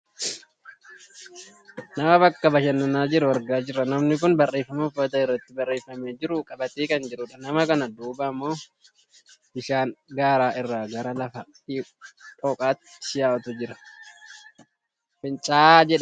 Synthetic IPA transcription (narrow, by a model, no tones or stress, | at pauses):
nɐmɐbɐkːɐbɐʃɐnːʊnaːd͡ʒɪɾʊwɐɾɡaːd͡ʒɪrːɐnɐmnɪk̬ʊnbɐrːeːfɐmʊfɐt̪̬ɐɪrːɐt̪ːɪbɐrːeːfɐmeːd͡ʒɪɾʊkʼɐbɐt̪eːkɐnd͡ʒɪɾʊᶑɐnɐmɐkɐnɐd̪uːbɐmːo̞ː | bɪʃaːŋɡaːɾaːʔɪrːaːɡɐɾɐlɐfɐ | iːpʼɔːkʼaːt̪ːɪɪ̥jaːwɐt̪ʊd͡ʒɪɾɐ̥ | fɪnt͡ʃʼaːd͡ʒɛᶑɐ